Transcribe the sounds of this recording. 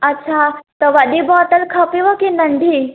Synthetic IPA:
atːɕʰat̪əʋad̪ibɔt̪əlkʰapiʋəkinəɳɖ̪ʱi

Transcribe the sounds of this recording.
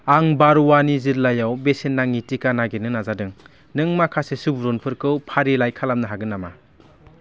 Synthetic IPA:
aŋbaɾuwaniziɾlajawbesenːaŋitikanaɡenɯnazadɯŋ | nɯŋmakʰasesɯbuɾɔnpʰɯɾkɯwpʰaɾilajkʰalamnɯɦaɡɯnːama̰

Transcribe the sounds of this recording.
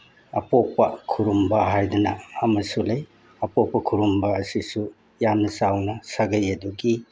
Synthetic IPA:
ɐ̰poppːɐkʰuɾumbɐɦajdunɐɐmɐsulej | ɐpok̚pːɐkʰuɾumbɐːsisu | jamnɐsawnɐsaɡɐjɐduɡi

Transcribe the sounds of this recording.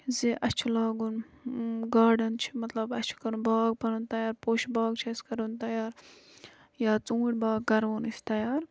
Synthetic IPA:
ziʔɐt͡ʃʰulaːɡun | ɡaːɖɐnt͡ʃʰi̥mɐt̪lɐbɐt͡ʃʰu̥kɐɾunbaːɡ̚pɐnunt̪ɐjaːɾpoːʃʰbaːɡt͡ʃʰɐskɐɾunt̪ɐjaːɾ | jaːt͡sũːʈʲbaːɡkɐɾunisʲt̪ɐjaːɾ

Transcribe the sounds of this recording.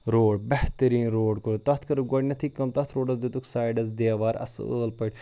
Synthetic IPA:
ɾoːɖbɛht̪ɐɾiːnɾoːɖkoɾt̪ɐt̪ʰkɐɾɨɡoɽʲnɐt̪ʰikːɐmt̪ɐt̪ʰɾoːɖɐzd̪et̪uksaːjɖɐzd̪eːʋaːɾɐ̰səːlpɐʈ

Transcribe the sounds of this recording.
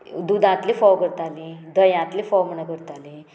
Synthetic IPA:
d̪ud̪ãt̪lifɔwkəɾt̪alid̪əjãt̪liːfɔwməɳakəɾt̪ali

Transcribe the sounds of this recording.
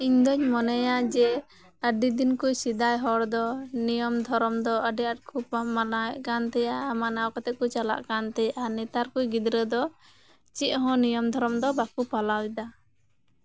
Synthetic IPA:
iɲd̪ɔɲmɔnɛjad͡ʒɛ | əɖid̪inkujsid̪ajɦɔɽd̪ɔnijɔmd̪ʱɔɾɔmd̪ɔəɖɛaʈ̚kʰupamalaɛʔkant̪ɛjamanaɔkɔt̪ɛʔ̚kut͡ʃala̰ʔkant̪ɛjaʔanɛt̪aɾkujɡid̪ɾəd̪ɔ | t͡ʃiʔ̪̚ɦɔ̃nijɔmd̪ʱɔɾɔmd̪ɔbakupalawid̪a

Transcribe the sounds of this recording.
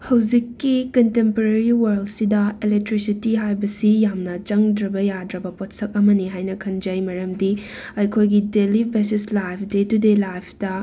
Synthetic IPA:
hɐwd͡ʒikːikɐntempɐɾeɾiwɐɾldsidɐelek̚tɾisitiɦajbɐsijamnɐt͡ʃɐŋdɾɐbɐjadɾɐbɐpotsɐk̚ɐmɐniɦajnɐkʰɐnd͡ʒɐjmɐɾɐmdi | ɐjkʰojɡidelibesislajpʰdetudelajpʰdɐ

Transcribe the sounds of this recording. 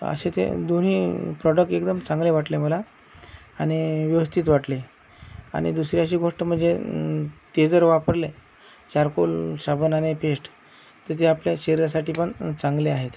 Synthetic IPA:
ə̰ɕet̪ḛd̪on̤iːpɾɔɖək̚ʈekd̪əmt͡sãŋɡleʋaʈleməlaː | ɽ̃iʋjəʋəst̪ʰiːt̪ʋaʈle | a̰ɽ̃ḭd̪usɾjaɕiːɡʱoʂʈəm̤əɳd͡ze | t̪ed͡zəɾʋapəɾle | t͡ɕaɾkolɕabʱənanepeʂʈ | t̪et̪ʰeapljaɕeɾiɾjasaʈiːpəɳt͡saŋɡleaɦet̪

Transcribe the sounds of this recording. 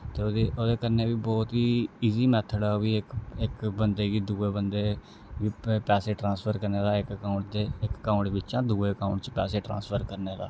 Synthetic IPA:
t̪eːoːd̪eːʔoːd̪eːkəɾneːʋiːbɔːt̪ɦiːiːziːmɛːt̪ʰəɖaːʋiːɪkɪkbənd̪eːɡiːd̪uːeːbənd̪eː | ʋiːpɛːseːʈɾãːspʰəɾkəɾneːd̪aːɪkəkaːʊɳʈd̪eːɪkːaːʊɳʈʋɪt͡ʃãːd̪uːeːkaːʊ̃ɳʈt͡ʃpɛːseːʈɾã̰ːspʰəɾkəɾneːd̪a̰ː

